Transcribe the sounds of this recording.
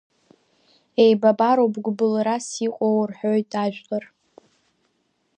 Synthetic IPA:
ejbabaɾowbɡʷbɨlɾasiqʼowrħojtʼaʒᶣʷlar

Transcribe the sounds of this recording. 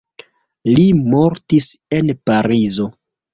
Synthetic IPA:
limo̞ɾtise̞npaɾizo̞

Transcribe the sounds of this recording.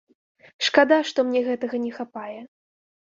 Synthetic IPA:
ʂkad̪aʂt̪ɔmnʲɛɣɛt̪ɐɣɐnʲɛxapajɛ

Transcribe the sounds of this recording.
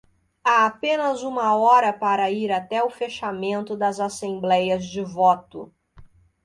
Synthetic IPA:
aapẽnɐzũmɐɔɾɐpaɾɐiɾat̪ɛʊfeʃamẽnt̪ʊd̪ɐzasẽblɛjɐzd͡ʒɪvɔt̪ʊ

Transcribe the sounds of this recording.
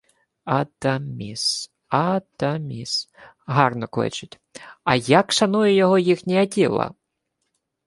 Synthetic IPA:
ɐd̪ɐmʲis | ɐd̪ɐmʲis | ɦɑrnɔklˠɪ̰t͡ʃɪtʲ | ɐjɐkʃɐnujɛjɔɦɔjixnʲijɐtʲilˠɐ̰

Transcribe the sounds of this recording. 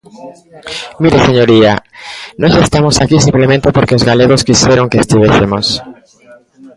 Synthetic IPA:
miɾeseɲo̞ɾianoʝaest̪amosakisimplement̪epo̞ɾkeozɣale̞ɣoskisjeɾo̞ŋkeːst̪iβesemos

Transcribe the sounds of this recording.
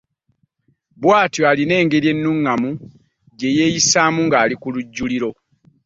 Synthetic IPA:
bwaːtjoaline̞ːŋɡe̞ɾje̞nːuŋːamu | ɟe̞je̞ːjisamuŋɡaːlikuluɟːuliɾo̞

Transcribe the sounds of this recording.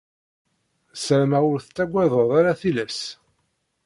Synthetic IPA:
səɾmæʊɾθət͡sːæɡʷːɛðˤəðˤaɾaθilæs

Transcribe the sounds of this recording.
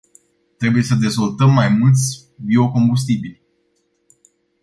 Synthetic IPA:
t̪ɾe̞buje̞səd̪e̞zvo̞lt̪əmːajmult̪sʲ | bio̞ko̞mbus̬t̪ibilʲ

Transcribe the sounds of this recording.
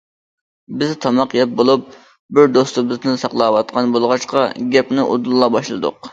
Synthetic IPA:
bɪzt̪ʰɑmɑqjɛp̚bolˠup̚ | bɪɾd̪ost̪ɨbɨzd̪ɪnsɑqlˠɑːwɑt̪̚qʰɑnbolˠʁɑʃqɑɡʲɛpnɪʔo̰d̪ulˠlˠːɑbɑʃlˠɨd̪ʊ̰q

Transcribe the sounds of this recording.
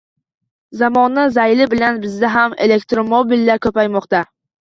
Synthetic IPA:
zamɒnːazajlɪbɪlanbɪzd̪aɦamele̞kt̪ɾomobilːaɾkʰʲɵpajmɒqt̪a

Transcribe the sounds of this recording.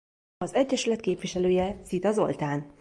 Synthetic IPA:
ɒzɛɟːɛʃylɛt̪keːpʋiʃɛløːjɛsit̪ɒzo̞̰lt̪aːn

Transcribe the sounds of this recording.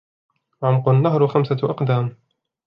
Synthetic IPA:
ʕaʊmqʊnːaɦɾʊxamsaʔɑqd̪aːm

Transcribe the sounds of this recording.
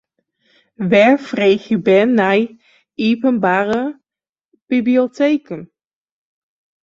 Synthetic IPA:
ʋɛɹfreːxəbɛnːaj | ipənbaːɾə | b̥iblioteːkən

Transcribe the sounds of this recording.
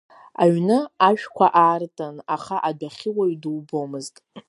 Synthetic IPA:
a̰ɥnɨaʃᶣkʷʰaʔaːrtʼanaχaʔadaχʲɪwaɥdɨlbomɨztʼ

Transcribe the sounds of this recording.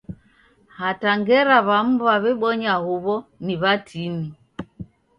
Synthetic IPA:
hataŋɡɛɾaβam̩βaβɛɓɔɲahuβɔniβatʰini

